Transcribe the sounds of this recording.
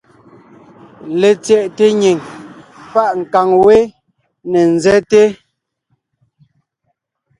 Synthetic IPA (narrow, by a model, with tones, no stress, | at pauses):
le˨t͡sɛ˨ʔte˦ɲi˨ŋpa˦˨ʔŋ̩˨ka˨ŋwe˦ | ne˨n̩˨zɛ˦te˦